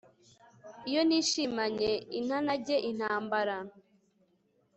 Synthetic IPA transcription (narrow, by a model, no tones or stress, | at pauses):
ijo̞niʃimaɲein̥anaɟeʔin̥aːmbaɾa